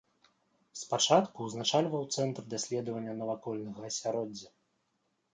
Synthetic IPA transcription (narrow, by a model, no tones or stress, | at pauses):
spat͡ʂat̪kuznat͡ʂalʲvɐwt̪sɛnt̪rd̪asʲlʲɛd̪ɐvɐnʲːɐnɐvakɔlʲnɐɣɐɐsʲaɾɔdd͡zʲːɐ